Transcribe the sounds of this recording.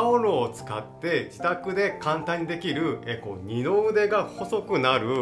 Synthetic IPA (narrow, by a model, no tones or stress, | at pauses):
oɾoːt͡sɨ̥ka̰t̪ːe̞d͡ʑit̪akɯ̟d̪e̞kãnt̪ãɲ̟ːid̪e̞kʲiɾɯ̟eko̰ɲino̞ɯd̪e̞ɡaho̞so̞kɯ̟naɾɯ̟